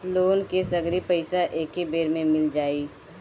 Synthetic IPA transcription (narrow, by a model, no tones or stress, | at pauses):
loːnkesɐɡɾipəɪsaʔeːkibeːɾmẽmɪld͡ʒaːiː